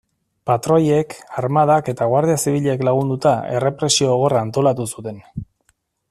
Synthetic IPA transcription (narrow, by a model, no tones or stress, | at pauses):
pat̪ɾo̞je̞kaɾmaðake̞t̪aɣwaɾð̞iasiβiʎeːklaɣ̞und̪ut̪ae̞re̞pɾe̞sio̞ɣ̞o̞raːnt̪o̞lat̪usut̪e̞n